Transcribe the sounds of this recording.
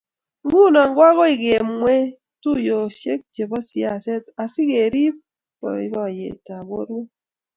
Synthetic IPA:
ŋ̩˦ɡu˦˨na˨ŋ̩˦ɡwa˦ɣo˦i˨ɡe˨mŋwe˦ | tu˦˨jo˨ʃe˦k̚d͡ʒe˨bɔ˦sja˦˨se˦ta˨si˦ke˨ɾi˦p̚ | bɔ̰˨ḭ˦bɔ˦˨jḛ˨ta˨bo̰˦ɾwe˦

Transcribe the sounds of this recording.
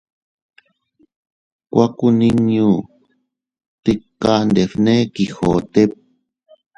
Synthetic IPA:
kʷa˦ku˦nĩ˦ɲũ˦ | t̪i˧ka˧nd̪e˨fnẽ˦ki˨xo˨t̪e˦p̚

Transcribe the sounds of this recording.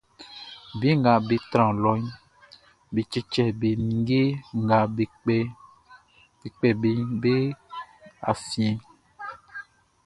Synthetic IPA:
bi˨˦ŋ˨ɡa˨be˨t̪ɾã˨lɔ˨˦ɲ˦ | be˨t͡ʃe˦t͡ʃɛ˨be˨mĩ˨˦ɡe˦ŋ˨ɡa˨be˨k͡pe˦ | e˨k͡pɛ˨be˨be˦ | a˨fĩ˨˦ẽ˨

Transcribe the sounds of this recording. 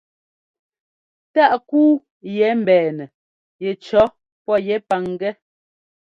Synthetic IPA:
ta˦ʔkuː˦ | jɛ˨˦m̩˨bɛː˨nɛ˨ | jɛ˨t͡ʃɔ˨˦ | pɔ˦jɛ˨˦pa˨ŋɡɛ˦

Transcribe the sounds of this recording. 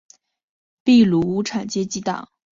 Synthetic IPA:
pi˥˩lu˧˥u˧˥ʈ͡ʂʰa˨˩nt͡ɕjɛ˥t͡ɕi˧˥t̪ɑ̰˨˩˦ŋ

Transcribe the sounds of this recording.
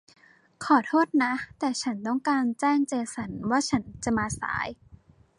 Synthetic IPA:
kʰɔː˨˩˦t̪ʰoː˥˩t̪̚na˦˥t̪ɛː˨˩t͡ɕʰa˦˥nt̪ɔ˥˩ŋkaː˧nt͡ɕɛː˥˩ŋt͡ɕeː˧sa˩˦nwaː˥˩t͡ɕʰa˦˥nt͡ɕa˨˩maː˧sa̰ː˩˦j

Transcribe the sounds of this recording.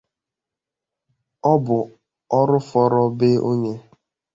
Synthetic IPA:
ɔ˦bʊ˨ | ɔ˦ɾʊ˦fɔ˦ɾɔ˦be˦ʔo˦ɲe˦

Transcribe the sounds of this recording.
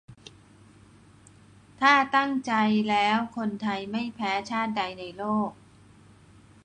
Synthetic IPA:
t̪ʰaː˥˩t̪a˥˩ŋt͡ɕa˧jlɛː˦˥wkʰo˧nt̪ʰa˧jma˥˩jpʰɛː˦˥t͡ɕʰaː˥˩t̪̚da˧jna˧jloː˥˩k̚

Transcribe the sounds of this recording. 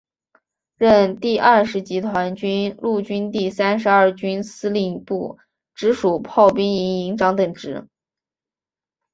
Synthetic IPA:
ɻə˥˧nt̪i˥˧ʔɐ˥˩ʂɻ̩˧˥t͡ɕi˧˥t̪ʰwa˧˥nt͡ɕy˥nlu˥˩t͡ɕy˥nt̪i˥˩sa˥nʂɻ̩˧˥ɐ˞˥˩t͡ɕy˥nsɹ̩˥li˥˧pu˥˩ | ʈ͡ʂɻ̩˧˥ʂu˨˩pʰɑ˥˩ʊpi˥ŋi˧˥˧ŋi˧˥ŋʈ͡ʂɑ˧˥ŋt̪ə˨˩ŋʈ͡ʂɻ̩˧˥

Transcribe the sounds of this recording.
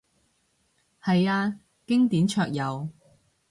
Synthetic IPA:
hɐ˨jaː˧ | kɪ˥ŋt̪iː˨˥nt͡ʃʰœː˧k̚jɐ˨˧w

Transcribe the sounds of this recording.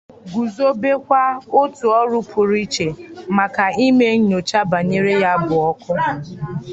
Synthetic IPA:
ɡu˨zo˦be˦kʷa˦o˦tu˨ɔ˦ɾʊ˦pʰʊ˨ɾi˦t͡ʃe˨ma˨ka˨i˦me˦ɲo˨t͡ʃa˦ba˨ɲe˦ɾe˦ja˦bʊ˨ɔ˦kʊ˦˨

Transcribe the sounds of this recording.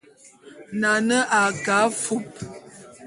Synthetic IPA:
na˨nə˦ʔa˨ka˨˦fu˦p̚

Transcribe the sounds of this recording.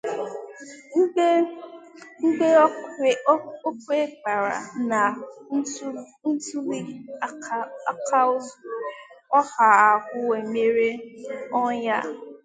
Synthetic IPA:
ŋ̩˦e˦ | ŋ̩˦de˦˨˦ | o˦kʷe˦ɡ͡ba˨ɾa̰˨na˨˦ | n̩˦tu˦ɾi˦ | a˦kʰa˦ʊ˦zɔ˦ha˨a˨kʷʊ˦we˨me˦ɾe˦ɔ˦ɲa̰˦

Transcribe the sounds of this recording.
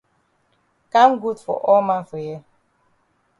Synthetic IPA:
ka˦mɡu˦dfɔ̰˨ʔɔ˦ma˦fɔ˨je˦

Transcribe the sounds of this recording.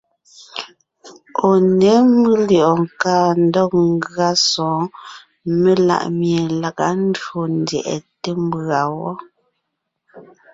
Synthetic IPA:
o˨ne˨˦mɨ˦ljʔɔ˨ŋ˨ka˦˨n̩˦dɔ˦˨k̚ŋ˦ɡa˦sɔ̃ː˨˦ | me˦la̰˨ʔmje˨la˨ka˦n̩˦do˨n˦djɛ̰˨ʔɛ̰˨te˦m˦bɰa˨wɔ˦

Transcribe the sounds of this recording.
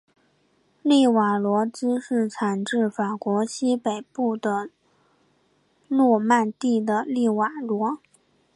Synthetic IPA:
li˥˩wa˨˩lwɔ˧˥t͡sɹ̩˥ʂɻ̩˥˩t͡sʰa˨˩nʈ͡ʂɻ̩˥˩fa˨˩kwɔ˧˥ɕi˥pe˨˩ɪpu˥˩d̪ə˩ | lɔ˥˧ma˥˧nt̪i˥˩d̪ə˩li˥˩wa˨˩lwɔ˧˥

